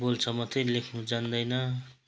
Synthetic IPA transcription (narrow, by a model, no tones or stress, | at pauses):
bolt͡sʰʌmʌt̪ʰʌjlekʰnud͡zand̪ʌjnʌ